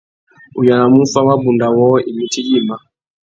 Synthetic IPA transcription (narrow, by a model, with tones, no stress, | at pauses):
u˨ja˨na˨mu˦fa˦wa˦bu˨nda˨wɔ˦i˨mi˦ti˦d͡ʒi˦˨ma˨